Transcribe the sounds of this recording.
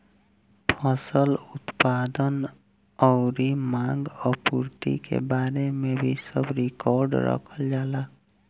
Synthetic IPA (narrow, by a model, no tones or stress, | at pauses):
pʰʌsəlut̪pad̪ən | ɔʊɾimãɡəpuɾt̪ḭkḛbaɾemebʱisəbɾikɔɾɖɾə̰kʰəld͡ʒala